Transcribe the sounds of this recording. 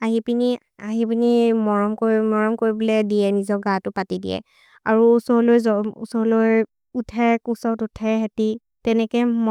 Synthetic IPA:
aɦipini | aɦipinimɔɹɔmkomɔɹɔmkoɹibulɛdijɛnizɔɡãtʊpatidḭɛ̰ | a̰ɹuusɔlojzɔṵsɔloj | utʰɛkusɔtutʰɛɦɛti | tɛnɛkɛmɔ

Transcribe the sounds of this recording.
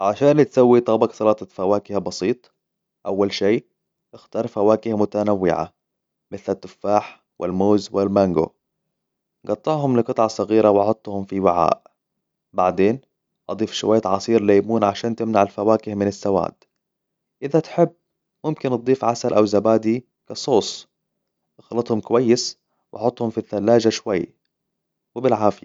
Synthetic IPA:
ʕaʃaːnt̪sawːit̪ˤɑbɑksˤɑlɑːt̪ˤɑfawaːkɪhabɑsiːt̪ˤ | ʔawːalʃiː | ʔɪxt̪ɑːɾˤfawaːkɪhamʊt̪anawːɪ̰ʕa̰ | mɪθlat̪ːʊfːaːħ | wɪ̰lmoːzwɪlmaŋɡo̰ | ɡɑt̪ˤːɑʕɦʊmlɪqɨt̪ˤʕɑsˤɑɣiːɾawʔɑʕɑt̪ˤːhʊmfiwɪʕa̰ːʔ | baʕd̪eːn | ʔɑd̪ˤiːfʃʊwajːat̪ʕɑsˤiːɾlajːmuːnʕaʃaːnt̪ɪmnaʕalfawaːkɪhmɪnasːawa̰ːd̪ | ʔɪðat̪ħɪbː | mʊmkɪnt̪̚d̪ˤiːfʕasalʔawzabaːd̪i | kɑsˤoːsˤ | ʔɑxlɑt̪ˤhʊmkʊwajːɪs | wʔɑħʊt̪ˤːhʊmfiθːalːaːd͡ʒaʃwajː | wɪbɪlʕaːfɪja̰

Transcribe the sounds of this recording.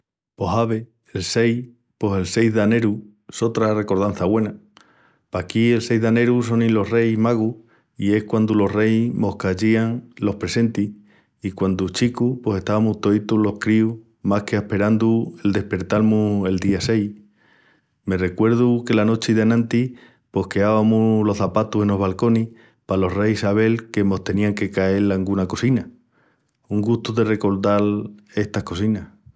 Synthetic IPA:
po̞ɦaβe̞ | else̞j | po̞se̞lse̞jzðane̞ɾu | eso̞t̪ɾare̞ko̞ɾðan̟θaβwe̞na | pakie̞lse̞jɦðane̞ɾus̬o̞nĩlo̞ɦre̞jmaɣ̞u | ie̞hkwand̪ulo̞ɦre̞jmo̞hkaʝiaŋlo̞hpɾe̞se̞nt̪i | ikwand̪ut͡ʃikupo̞se̞ht̪aβamuht̪o̞it̪ulohkɾiu | mahke̞ahpe̞ɾand̪ue̞ld̪e̞hpe̞ɾt̪almue̞ld̪iase̞j | me̞re̞kwe̞ɾð̞uke̞lano̞t͡ʃiðanãnt̪i | po̞hke̞aβamulo̞hθapat̪use̞no̞ɦβalko̞nih | palo̞hrejisaβ̞e̞lkemo̞ht̪e̞niaŋke̞kae̞laŋɡunako̞sina | uŋɡust̪uðe̞re̞ko̞ɾðale̞ht̪ahko̞sinah

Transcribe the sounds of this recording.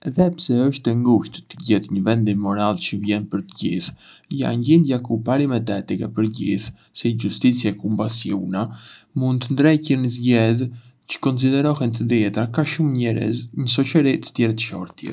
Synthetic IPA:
ɛðɛpsɛəʃt̪ɛŋɡuʃt̪t̪əɟɛt̪ɲəvɛnd̪imɔɾalt͡ʃəvjɛnpəɾt̪əɟḭθ | ja̰nɲɟind̪jakupaɾimɛt̪ɛt̪ikɛ̰pəɾɟḭθ | sɛɟust̪it͡sjaɛkumbasiunamund̪t̪ənd̪ɾɛjcənəzɟɛð | t͡ʃə̥kɔns̬id̪ɛɾɔɦɛnt̪əd̪jɛt̪akaʃumɲɛɾə̰zɲəs̬ɔt͡ʃəɾit̪ə̥t̪jɛɾt̪ə̥ʃɔɾt̪jɛ̰

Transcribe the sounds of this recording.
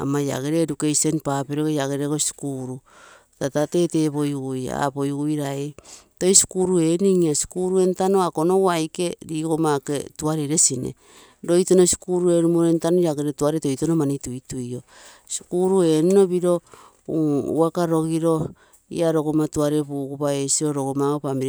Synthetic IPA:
a̰maja̰ɡe̞ɾeːdukejso̞npapeɾokejaɡeɾeɡosi̥kuɾu | tatate̞te̞βo̞jɡuja̰po̞jɡujɾaeto̞jsi̥kuɾue̞niŋiasi̥kuɾue̞ntano̞ako̞no̞wajke̞ɾiːko̞maketuaɾe̞ɾe̞sine̞̰ | ɾo̞jto̞no̞si̥kuɾue̞ɾumoɾentanojaɡeɾetuaɾeto̞jto̞nomanitujtujo̞ | si̥kuɾue̞nuno̞biɾo̞ | uṵakaɾo̞ɡiɾo̞ | ḭaɾo̞ɡomatuaɾepuɡupaesiɾo̞ɾo̞ɡomaopamiɾ

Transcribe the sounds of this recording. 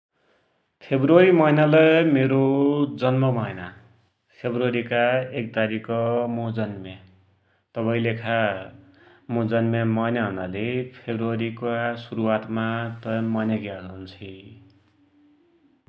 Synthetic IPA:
pʰebruʌɾimʌjnalʌmeɾod͡zʌnmʌmʌjna | pʰebruʌɾikaek̚t̪aɾikʌmod͡zʌnma | t̪ʌbaĩlekʰa | mod͡zʌnmamʌjnaɦʌnalepʰebruʌɾikasuɾuat̪mat̪ʌmʌjnaɡjaɡʌunt͡sʰi

